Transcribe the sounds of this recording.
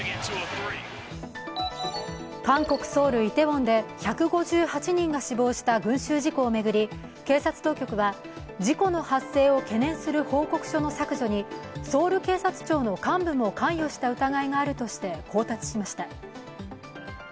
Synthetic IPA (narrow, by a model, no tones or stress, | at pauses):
kãŋko̞kɯ̟̥so̞ːɾɯ̟it̪e̞bõ̞nd̪e̞çakɯ̟ɡo̞ʑɨːhat͡ɕiɲ̟ĩŋɡaɕibo̞ːɕi̥t̪aɡɯ̟̃ɰ̃ɕɨːʑiko̞ːme̞ɡɯ̟ɾʲi | ke̞ːsat͡sɨ̥t̪o̞ːkʲo̞kɯ̟βa | d͡ʑiko̞no̞hasːe̞ːo̞ke̞nẽ̞ɰ̃sɨɾɯ̟ho̞ːko̞kɯ̟̥ɕono̞sakɯ̟ʑo̞ɲ̟iso̞ːɾɯ̟ke̞ːsat͡sɨ̥t͡ɕo̞ːno̞kãmbɯ̟mo̞kãɰ̃jo̞ɕi̥t̪aɯ̟t̪aɡaiŋaːɾɯ̟t̪o̞ɕi̥t̪e̞kʰo̞ːt̪at͡si̥ɕimaɕi̥t̪a